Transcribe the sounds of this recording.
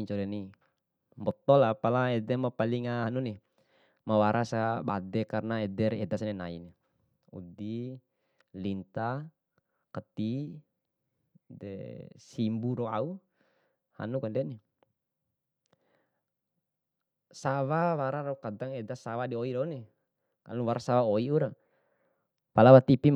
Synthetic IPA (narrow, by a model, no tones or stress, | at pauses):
ɲt͡ʃɔɾɛni | mbɔt̪ɔlapalaɛdɛmapaliŋaɦanuni | mawaɾʔasaba̰dɛkarnaɛdɛɾɛdasnɛnaḭni | ṵdi | lint̪a | kət̪i | dɛ̰simbuɾɔa̰u | ha̰nukandɛni | sawawaɾaɾɔukadaŋɛdasawadiɔidɔni | kanuwaɾasawaoiuɾa | palawat̪ipi